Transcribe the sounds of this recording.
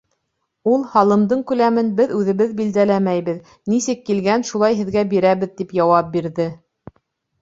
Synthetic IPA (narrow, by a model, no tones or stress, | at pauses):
ulˠhɑlˠɤ̆md̪ɤɴkʉlæmɘnbɘðʉðɘ̆βɘðbild̪ælæmæjβɘð | nisɘkːilɡænʃulˠɑjɦɘ̆ðɡæbiɾæβɘ̆ðt̪ipjɑwɑp̚biɾðɘ